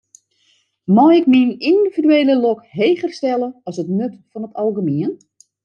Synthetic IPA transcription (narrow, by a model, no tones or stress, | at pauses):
mɔɪkmininddividyeːləlɔkɦejχərstɛləɔsətnøtfɔnətɑlˠɣəmiən